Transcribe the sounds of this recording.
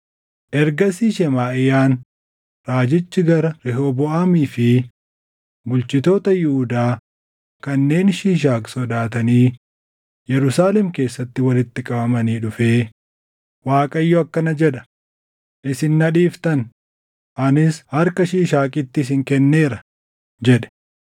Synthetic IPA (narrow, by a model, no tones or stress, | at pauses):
ʔɛɾɡɐsiːʃɛmaːʔɪjaːn | ɾaːd͡ʒɪt͡ʃːɪɡɐɾɐɾɛɦoːbɔʔaːmiːfɪ | bʊlt͡ʃɪt̪o̞ːt̪ɐjʊhʊd̪aː | kɐnːe̞ːnʃiːʃ̬aːkʼsɔd̪aːt̪ɐniː | jɛɾʊsaːlɛmke̞ːsːɐt̪ːɪwɐlɪt̪ːɪkʼɐbɐmɐniːᶑʊfeː | waːkʼɐɪjːɔɐkːɐnɐd͡ʒɛᶑɐ̥ | ʔɪsɪnːɐᶑiːft̪ɐn | ʔɐnɪshɐɾkɐʃiːʃaːkʼɪt̪ːɪs̬ɪŋkɛnːe̞ːɾɐ | d͡ʒɛᶑɛ̥